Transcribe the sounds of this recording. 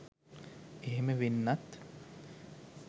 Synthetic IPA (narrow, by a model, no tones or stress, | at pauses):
eɦeməʋenːat̪